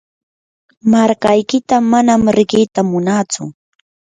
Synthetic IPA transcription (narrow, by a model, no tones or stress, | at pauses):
maɾkajkɪt̪amanamɾɪɢɪːt̪amʊnaːt͡sʊ̰